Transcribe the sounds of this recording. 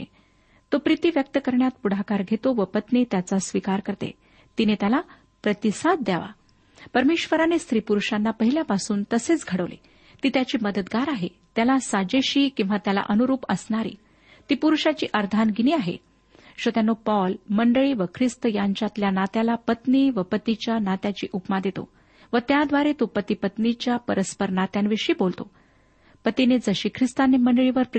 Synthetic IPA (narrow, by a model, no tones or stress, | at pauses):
t̪opɾit̪iːʋjək̚t̪əkəɾɳjat̪̚puɽ̤akaɾɡʱet̪oʋəpət̪net̪jat͡sasʋikaɾkəɾt̪ḛ | t̪inet̪jala | pɾət̪isad̪̚d̪jaʋa̰ | pəɾmeɕʋəɾanest̪ɾiːpuɾuʂanːapəɦiljapasuːnt̪əset͡sɡʱəɽəʋlḛ | t̪iːt̪jat͡ɕiːməd̪ət̪ɡaɾaɦe | t̪jalasad͡ʑeɕiːkĩw̃ʋat̪jala̰ʔənuɾuːpəsnaɾḭː | t̪iːpuɾuʂat͡ɕḭːʔəɾd̪ʱanɡiniːaɦḛ | ɕot̪janːopɔlməɳɖəɭiʋəkʰɾist̪əjaɲt͡ɕjat̪ljanat̪jalapət̪niːʋəpət̪it͡ɕjanat̪jat͡ɕiːʔupmad̪et̪o̰ | ʋət̪jad̪ʋaɾet̪opət̪ipət̪nit͡ɕjapəɾəspəɾnat̪janʋeɕiːbolt̪o̰ | pət̪ined͡zəɕiːkʰɾist̪anːeməɳɖəɭiʋəɾp